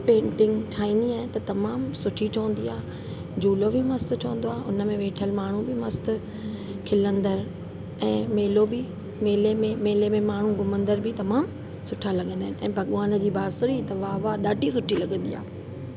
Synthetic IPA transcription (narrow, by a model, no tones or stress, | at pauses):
pẽːɳʈɪ̃ŋɡʈʰaːĩːn̆d̪iaːɦɪ̃nɪt̪ɐt̪ɐmaːmsʊʈʰiʈʰõːn̆d̪iaː | d͡ʑuːlobɪmɐst̪ʈʰoːə̃nd̪oaːɦʔʊnəmẽʋeːʈʰəlmaːɳ̤ũbʱɪmɐst̪ʊ̆ | kʰɪlə̃nd̪əɾ | ɛ̃ːmeːlobɪ | meːlemẽmeːlemẽmaːɳ̤ũɡʊmə̃nd̪əɾbʱɪt̪ɐmaːm | sʊʈʰalɐɡə̃nd̪aːɪnɪɛ̰̃ːbʱɐɠʋaːn̆d͡ʑiːbaːsʊɾit̪ɐʋaːʋaɗaːɖʱis̬ʊʈʰilɐɠə̃nd̪ḭa̰ː